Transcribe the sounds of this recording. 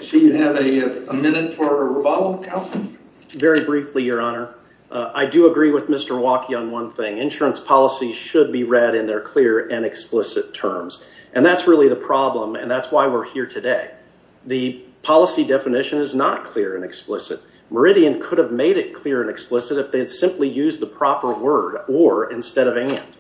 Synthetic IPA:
ʃiɨvɨəmɪ̃nɨtfə˞ɹəvɑlˠɪ̃ŋkʰãʊ̃ns̩ | vɛɹibɹiflijə˞ɑnə˞ | ʔaɪdɨəɡɹiwəðmɪstə˞wɑkʰiə̃nwʌ̃nθɪ̃ŋɨ̃nʃʊɹɨ̃nspʰɑlˠəsiz̥ʃɨd̚biɹɛɾɨ̃nðə˞kʰl̥ɪɹɨ̃nɨksplɪsɨtʰɜ̰̃˞mz̥ʔɨ̃nðætsɹɪlˠiðəpʰɹ̥ɑblə̃mɨ̰̃nðætswaɪwɪɹhiɹtʰɨdeɪ | ðɨpʰɑlˠəsidɛfɨnɪʃɨ̃nɨznət̚kʰl̥ɪɹɨ̃nɨksplɪsɨ̰t̚ | mə˞ɪɾiɨ̃nkʰʊɾɨvmeɪɾɨt̚kʰl̥ɪɹɨ̃nɨksplɪsɨɾɨfðeɪd̥sɪ̃mplijʉzðəpʰɹ̥ɑpə˞wɜ˞ɾə˞ɪ̃nstɛɾʌvæ̃nd̥

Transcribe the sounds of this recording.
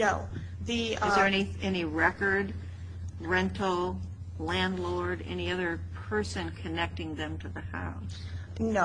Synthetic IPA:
oʊ | ðiɨzðə˞ɛniɛniɹɛkə˞d | ɹɛ̃ntʰl̩ˠ | læ̃ndˡlɔɹɾɛ̰niʌðə˞pʰɜ˞sɨ̃nkʰɨnɛk̚tɪ̃ŋðɨ̃mtʰɨðɨha̰ʊs | n

